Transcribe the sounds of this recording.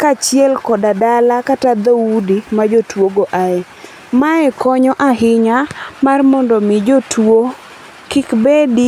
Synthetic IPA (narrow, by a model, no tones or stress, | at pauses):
kat͡ʃjɛlkɔdadalakatad̪audimad͡ʒotwoɡoʔaɛ | maɛkɔɲɔʔaɦɪɲamarmɔndɔmɪd͡ʒotwo | kɪkbedi